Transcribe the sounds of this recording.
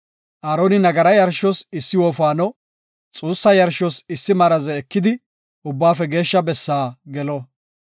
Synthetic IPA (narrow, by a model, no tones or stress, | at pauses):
ʔaːɾoːnɪnɐɡɐɾɐjɐɾʃɔsɪsːɪwɔːfaːnɔ | t͡sʼuːsːɐjɐɾʃɔsɪsːɪmɐɾɐzɛːkːɪd̪ɪ | ʔʊbːaːfɛɡe̞ːʃːɐbɛsːaːɡɛlɔ